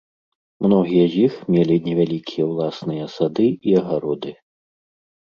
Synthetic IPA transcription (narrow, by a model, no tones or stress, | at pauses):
mnɔɣʲijɐzʲixmʲelʲinʲɛvʲalʲikʲʰijɐwlˠasnɨjɐsad̪ɨiɐɣaɾɔd̪ɨ